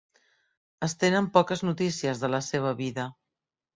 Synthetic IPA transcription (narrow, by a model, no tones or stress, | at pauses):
əst̪enəmpɔkəznut̪isiəzðələseβ̞əβiðə